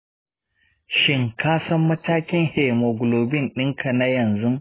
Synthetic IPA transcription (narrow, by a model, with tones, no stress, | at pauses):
ʃɪ˦ŋkaː˦sɐ˦mːɐ˦taː˦kʲɪ˦ŋhe˨mo˨ɡʊ˨loː˨bɪ˦nɗɪ˦ŋkʰa˨na˦jɐ˨nzu˦